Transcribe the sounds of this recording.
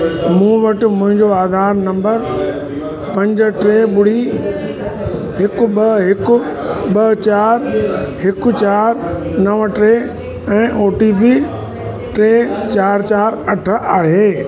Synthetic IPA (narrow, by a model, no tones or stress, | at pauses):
mũːʋɐʈɪ̆mʊ̃ɦɪ̃ɲd͡ʑoaːd̪ʱaːɾnɐ̃mbəɾ | pɐ̃ɲd͡ʑ̆ʈɾeːɓʊɽ̤i | ɦɪkʊ̆ɓɐɦɪkʊ̆ɓɐt͡ɕaːɾɦɪkʊ̆t͡ɕaːɾnɐʋʈɾeː | ɛ̃ːʔoːʈiːpiː | ʈɾeːt͡ɕaːɾt͡ɕaːɾɐʈʰə̆aːɦeː